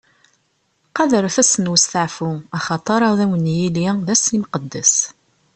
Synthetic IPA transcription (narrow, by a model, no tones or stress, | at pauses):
qɑðəɾθæsənwəst̪əʕfʊɑχɑt̪ˤɑɾˤɑðæwənjiliðæsimqəd̪ːæs